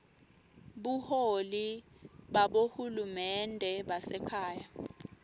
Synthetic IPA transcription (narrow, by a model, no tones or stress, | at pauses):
ɓuholiɓaɓohulumɛndʱɛɓasɛkʰaːja